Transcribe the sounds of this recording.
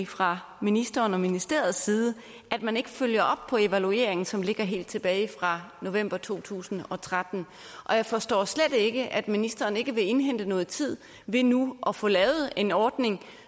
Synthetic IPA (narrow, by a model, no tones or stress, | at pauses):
fʁɑ̈ | minisd̥ɐːnɒ̽minisd̥e̝̰ːɐð̞̩ˠsiːð̞ˠə | ʔæd̥mæne̝ɡ̥əføljɐʔɒ̽b̥̚pʰɒ̽e̝ʋælue̝̰ɐ̰e̝ŋn̩sɒ̽mle̝ɡ̥ɐɦe̝̰ːld̥̚t͡sʰe̝b̥ɛːɪfʁɑ̈no̝ʋem̰b̥ɐt͡sʰo̝̰ːt͡sʰṵːsn̩ɒ̽t͡sʰʁad̥n̩ | ʔɒ̽jɑ̈ɪfɒ̽sd̥ɒ̰ːsled̥e̝ɡ̥əʔæd̥minisd̥ɐːne̝ɡ̥əʋe̝e̝nɦen̰d̥ənɔ̽ːð̞̩ˠt͡sʰið̞̰ˠ | ʋe̝nuʔɒ̽fɔ̽ːlɛːʊð̩ˠe̝nɒːd̥ne̝ŋ